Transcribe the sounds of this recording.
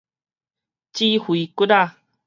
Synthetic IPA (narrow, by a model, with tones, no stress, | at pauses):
t͡ɕi˦hwi˨ku˦ɾa˥˨